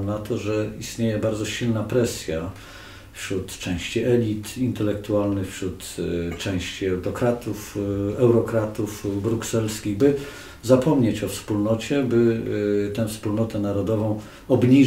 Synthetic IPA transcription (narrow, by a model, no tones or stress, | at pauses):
nat̪ɔʐɛist̪ɲejɛbaɾd̪zɔɕilnapɾɛsʲja | fɕɾut̪t͡ʂɛ̃w̃ɕt͡ɕiʔɛlʲit̪int̪ɛlɛk̚t̪ualnɘxfɕɾut̪t͡ʂɛ̃w̃ɕt͡ɕiɛwɾɔkɾat̪ufɛwɾɔkɾat̪ufbɾuksɛlskʲiɣbɘ | zapɔmɲet͡ɕɔfspulnɔt͡ɕɛbɘt̪ɛ̃fspulnɔt̪ɛnaɾɔd̪ɔvɔ̃w̃ | ɔbɲi